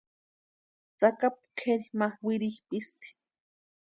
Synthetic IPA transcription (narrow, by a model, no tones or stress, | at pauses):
t͡sakap̚kʰeɾimawiɾixpist̪i̥